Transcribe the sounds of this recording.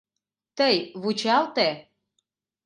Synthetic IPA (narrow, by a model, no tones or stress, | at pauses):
t̪əjβut͡ɕɑlt̪e